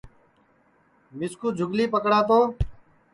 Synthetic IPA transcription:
mɪskuːd͡ʒʱʊɡliːpəkɽaːt̪̬oː

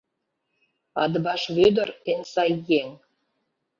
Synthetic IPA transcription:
ɑ̰d̪əbɑʃβød̪ərensɑjeŋ

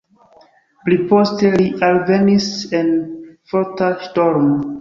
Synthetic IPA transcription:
plipo̞ste̞liʔalve̞nise̞nfotaʃto̞ɾmo

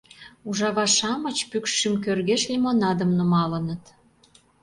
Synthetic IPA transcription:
uʒɑβɑʃɑmət͡ɕpykʃʃimk̬ørɣeʃlʲimonɑd̪ə̆mnumɑlə̆nət̪

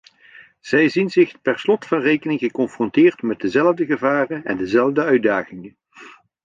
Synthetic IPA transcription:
z̥ɛjzinzɪχpɛrslɔtfɑnrejkənɪŋɣəkɔnfrɔntɪːrtmɛt̚dəzɛləvdəɣəvaːrənɛ̰ndəzɛlˠvdəœɥt̚daːχɪŋən

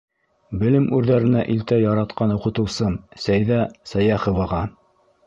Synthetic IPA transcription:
bɘ̆lɘmʔʉɾðæɾɘ̆næʔilt̪æjɑɾɑt̪qɑnoqɤ̆t̪ɤ̆wsɤmsæjðæsæjæχŏvɑʁɑ

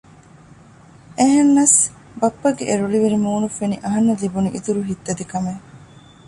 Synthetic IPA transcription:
eɦenːɐs | bɐpːɐɡḛʔeɾuɭiʋiɾimuːnufeniʔɐɦɐnːɐlibuniʔit̪uɾuɦit̪ːɐd̪ikɐme

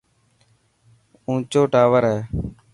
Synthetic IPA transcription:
ũːt͡ʃoːʈaːʋəɾɦɛː

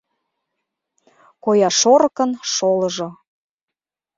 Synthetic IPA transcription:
kojɑʃoɾkə̆nʃoləʒo

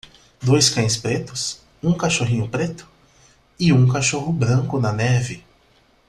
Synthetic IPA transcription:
d̪ojskɐ̃j̃spɾet̪ʊs | ũkaʃoɦĩɲʊpɾet̪ʊ̥ | ɪũkaʃoɦʊbɾɐ̃ŋkʊnɐnɛvɪ

